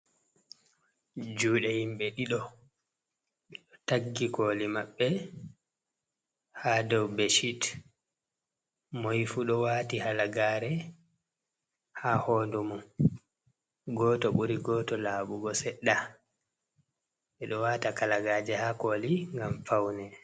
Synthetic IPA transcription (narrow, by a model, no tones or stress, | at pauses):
d͡ʒuːɗɛhimɓɛɗiɗɔ | ɗɔtaɡːikoːlimaɓːɛ | haːdɔwbeʃit | mojfuɗɔwaːtihalaɡaːɾɛ | hahɔːndumɔ | ɡɔːtɔɓuɾiɡɔtɔlaːɓuɡɔsɛɗːa | ɓɛɗɔwaːtakalaɡaːd͡ʒɛhakoːliŋɡamfawnɛ